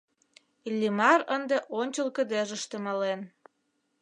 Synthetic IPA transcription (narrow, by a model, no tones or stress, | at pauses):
lʲimɑrənd̪eʔonʲt͡ɕəlkə̆d̪eʒəʃt̪emɑlen